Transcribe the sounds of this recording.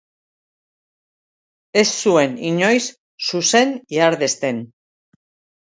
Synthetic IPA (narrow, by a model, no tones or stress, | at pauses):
e̞sːue̞niɲo̞jsː | use̞niaɾðe̞st̪e̞n